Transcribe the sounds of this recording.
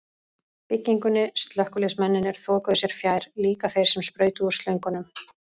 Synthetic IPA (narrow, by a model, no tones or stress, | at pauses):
pɪcːiŋkʏnːɪst̪lœhkʏlɛsmɛnːɪnɛɾ̥θɔːkaðʏsjɛɾ̥fjaːjɾ̥liːkaθejɾ̥sɛmspɾœːɥt̪ʏɔst̪lœɥŋkʏnʏm